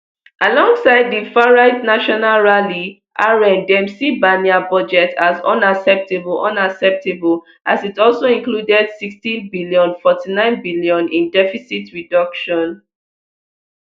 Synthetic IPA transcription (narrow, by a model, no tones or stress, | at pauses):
ʔalɔ̃ŋɡsaɪd̚ðifaɹaɪtnaʃɔnalɹali | ʔaɹɛ̃ndɛ̃msibaniabɔd͡ʒɛtʰazʌ̰̃naksɛp̚tebl̩ʔʌ̃naksɛp̚tebəl | ʔazitɔlˠsoĩnkludɛd̥sikstĩnbiljɔ̃nfɔtinãɪ̃nbiliɔ̃nĩndɛfisitɹidʌkʃɔ̃n